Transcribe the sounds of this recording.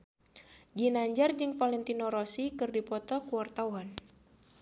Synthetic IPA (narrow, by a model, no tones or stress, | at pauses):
ɡinaɲd͡ʒard͡ʒɨŋfalɛnt̪inoɾosikɨrdipɔt̪ɔkuart̪auɦan